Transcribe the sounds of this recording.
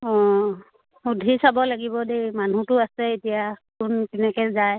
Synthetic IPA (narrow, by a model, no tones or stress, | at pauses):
ɔ̃ | udʱisabɔlaɡibɔdejman̤utʊasɛetijakʊntɛnɛkɛzaj